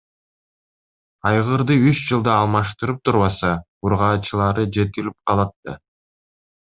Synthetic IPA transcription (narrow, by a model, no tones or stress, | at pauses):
ɑjʁɯɾd̪ɯyt͡ʃd͡ʒɯlˠd̪ɑːlˠmɑʃt̪ɯɾɯp̚t̪ʰuɾβɑsɑ | uɾʁɑːt͡ʃɯlˠɑɾɯd͡ʒe̞t̪ilip̚qʰɑlˠɯt̪ːɯ